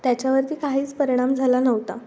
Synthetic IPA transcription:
t̪jat͡ɕjaʋəɾt̪iːkaɦiːt͡spəɾiɽ̃amd͡zʱalanəʋt̪a̰

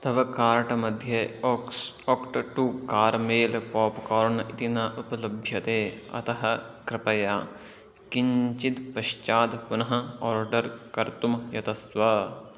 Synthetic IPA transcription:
t̪ɐʋɐkaːɾʈɐmɐd̪ʱjɐ | okʈʈukaːɾmeːlpɔːpkɔːɾnʔɪt̪inaʔʊpɐlɐbʱjɐt̪eːɐ̰t̪ɐɦɐkɾɪpɐjaː | kɪɲt͡ʃit̪pɐʃt͡ʃaːd̪pʊnɐɦɐ̆ɔːɾɖɐɾkɐɾt̪umjɐt̪ɐsʋɐ

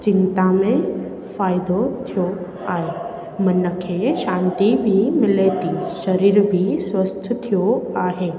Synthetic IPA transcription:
t͡ʃɪnt̪amẽ | faːjd̪ot̪ʰijo | aːɦe | mənəkʰeʃãːnt̪ibʱimɪlet̪iʃəɾiːɾbʱisʋəst̪ʰt̪ʰijoaːɦeː

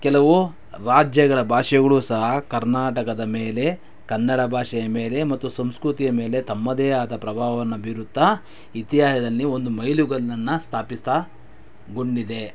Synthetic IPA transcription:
kɛlɐʋu | ɾaːd͡ʒjɐɡɐɭɐbʱaːʂɐɡɐɭuːsɐɦɐkɐɾnaːʈɐkɐd̪ɐmeːle̞ | kɐnːɐɽɐbʱaːʂɐjɐme̞ːle̞mɐt̪ːusɐmskɾut̪ijɐme̞ːle̞t̪ɐmːɐd̪eːaːt̪ɐpɾɐbʱaːɐʋɐnːɐbʱiɾut̪ːɐ | it̪iɦaːʃɐd̪ɐlːio̞nd̪umɐjluɡɐɭɐnːɐst̪ʰaːpist̪a | ɡuɳɖid̪e̞

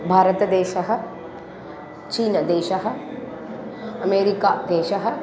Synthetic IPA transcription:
bʱaːɾɐt̪ɐd̪eːʃɐɦɐ̆ | t͡ʃiːnɐd̪eːʃɐɦɐ̆ | ɐmeːɾikaːd̪eːʃɐɦɐ

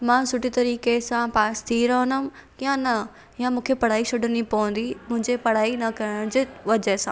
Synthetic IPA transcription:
mãːsʊʈit̪ɐɾiːkesãpaːst̪ʰiɾɐɦnʊkijãnɐ | jãmũːkʰepɐɽ̤aːisʊɖʱənipɐʋə̃nd̪imʊ̃ɦɪ̃ɲd͡ʑepɐɽ̤aːinɐkɐɽ̃d͡ʑeʋɐd͡ʑəsãː

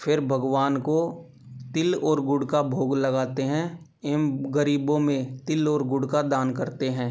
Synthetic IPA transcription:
fʰɪɾbʱɐɡwaːnko | t̪ɪlɔːɾɡʊɽkabʱoːɡlɐɡaːt̪eɦɛ̃ | ɪmɡəɾiːbõmẽt̪ɪlɔːɾɡʊɽkad̪aːnkɐɾt̪eɦɛ̃ː

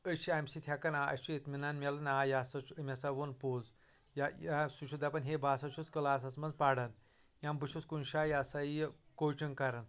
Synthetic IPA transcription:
əʃiamsit̪ʰjakanaʔɐ̰t͡ʃiet̪minanmʲalɐnajasɐumʲasaʋonpoz | jaasuʃʰud̪apɐnɦebaːsaʃʰut͡skəlaːs̬at͡smɐnzpaɽan | jãmbɨʃut͡skunɕajasaijkot͡ʃiŋkaɾan

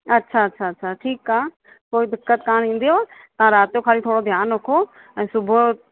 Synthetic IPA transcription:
ətːʃʰaətːʃʰaːətːʃʰaːʈʰiːkaː | koːid̪ɪkːət̪kaːnĩːnd̪ijoat̪ɐɦãɾaːt̪joːkʰaːlit̪ʰoːɽod̪ʱjaːnokʰoː | ɛ̃ːsʊbʱo

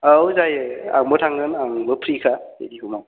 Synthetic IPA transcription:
awzajɯa̰ŋbɯtʰaŋɡɯnaŋbɯpʰɾikʰaḛdiɦumaw

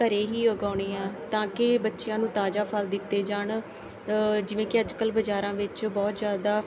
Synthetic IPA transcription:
əɾeːɦiːəɡaːɽ̃eːãːt̪ãːkɪbətːʃɪjãːnũːt̪aːd͡ʒaːpʰəld̪ɪt̪ːeːd͡ʒaːɳ | d͡ʒɪʋẽːkɪəd͡ʒkəlbəd͡ʒaːɾãːʋɪt͡ʃbɔːt̪zjaːd̪aː

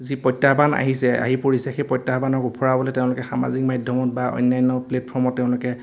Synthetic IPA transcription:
zipɔjtːabana̰ɦisɛa̰ɦipoɹisɛxejpɔjtːaɦbanɔkupʰɔɹabɔlɛteʊ̃lʊkɛxama̰zik̚majdʱjɔmɔtbaɔ̰jnːajnɔpletpʰɔɹmɔtːɛʊ̃lʊkɛ

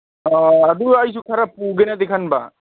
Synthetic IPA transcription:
ɔad̪uajsukʰaɾapuːɡenɛd̪ekʰanba̰

